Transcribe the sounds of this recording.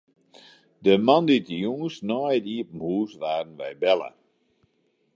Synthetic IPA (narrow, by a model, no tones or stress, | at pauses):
dəmanditəjuŋəsnɔjədiəpəmhuːsʋaːrən̩ʋɛjbɛlˠə̰